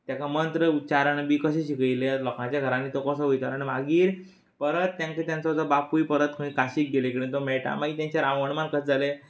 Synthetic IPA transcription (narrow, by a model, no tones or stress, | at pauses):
t̪jakamənt̪ɾəut͡ɕaɾəɳbiːkəɕ̬ẽɕikəjlelɔkãt͡ɕjaɡʱəɾãnːit̪okəsəʋojt̪aaɽ̃imaɡiːɾ | pəɾət̪ːjãŋket̪jãnt͡sad͡z̪abapuipəɾət̪̚kʰə̃ĩkaɕiːk̚ɡelekiɽẽt̪omɛɭʈa̰maɡit̪jãɲt͡ɕjaɾãwəɳmankəsd͡zale